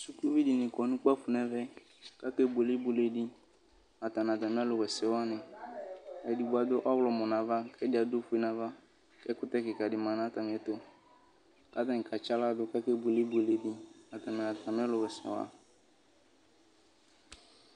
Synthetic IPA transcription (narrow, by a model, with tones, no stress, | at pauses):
su˦ku˦vi˦dɪ˨nɪ̃˨kɔ˨nũ˦k͡pa˦fʊ˨nɛ˦vɛ˦ | ka˦kɛ˦be˨le˦bu˨le˦˨di˦ | a˨ta˨n˨a˨t̪a˨mɪ̃˦a˦lʊ˨wɛ˨sɛ˨wa˦nɪ̃˨ | a˨di˨bu˨˦a˨d̪ʊ˦ʔɔ˦wlɔ˨mɔ˨nã˨va˦kɛ˦dɪ˦a˨do˦fu˦e˦nã˨va˦ | kɛ˦kʊ˦t̪ɛ˦kɪ˨ka˨dɪ˨mã˨nã˦ta˨mɪ̃˨˦ɛ˨t̪ʊ˦ | ka˦t̪a˦ŋ˨ka˨t͡ʃa˦la˦dʊ˦ka˦kɛ˦bu˨le˦bu˦e˨le˨di˦a˨t̪a˨mɛ̃˨na˨ta˨mɪ̃˦a˦lʊ˨wɛ˨sɛ̰˨wa̰˦